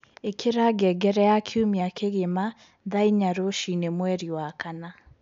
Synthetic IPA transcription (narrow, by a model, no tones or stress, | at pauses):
ekʰeɾaɡɛɡɛɾɛjakʰiumiakʰeɣema | ðaiɲaɾoʃinemwɛɾiwakana